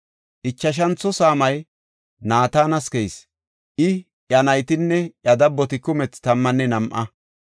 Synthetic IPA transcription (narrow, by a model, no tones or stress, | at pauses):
ʔɪt͡ʃːɐʃ̬ɐnt͡sːɔsaːmɐj | naːt̪aːnɐskɛjs | ʔɪ | ʔjɐnɐjt̪ɪnːɛʔɐd̪ɐbːɔt̪ɪkʊmɛt͡st̪ɐmːɐnːɛnɐmʔɐ